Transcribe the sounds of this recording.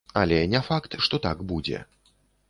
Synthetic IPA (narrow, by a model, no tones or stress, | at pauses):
alʲɛnʲɛfakt̪ʂt̪ɔt̪aɡbud͡zʲɛ̰